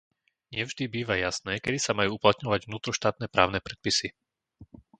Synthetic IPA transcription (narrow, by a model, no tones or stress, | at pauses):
ɲɪɛvʒd̪ibiːʋajasnɛːkɛd̪isamajuːuplat̪ɲɔʋaɟvnuːt̪ɾɔʃt̪aːt̪̚nɛːpɾa̰ːʊnɛpɾɛt̪̚pisi